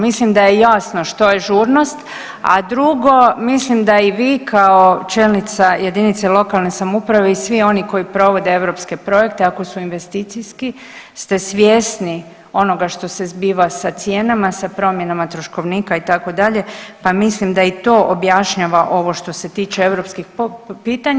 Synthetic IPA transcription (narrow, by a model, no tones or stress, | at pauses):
mislimd̪ajejasnoʃt̪o̞jeʒuɾno̞st̪ | a̰d̪ɾuɡo̞mislimd̪aiʋiːkʰao̞t͡ʃelnit̪saje̞d̪init̪selˠo̞kalˠnesamupɾaʋe̞isʋio̞niko̞jipɾo̞ʋo̞d̪ee̞ʋɾopske̞pɾo̞je̞k̚t̪e̞ako̞suinʋe̞st̪it̪sijski | st̪e̞sʋje̞sni | o̞noɡaʃt̪o̞se̞zbiːʋasat̪sje̞ːnamasapɾo̞mje̞namat̪ɾoʃko̞ʋnikait̪ako̞d̪aʎe̞pamislimd̪ait̪o̞ːʔobjaʃɲaʋaʔo̞ʋo̞ʃt̪o̞se̞t̪iːt͡ʃeeʋɾo̞pskixppiːt̪aɲ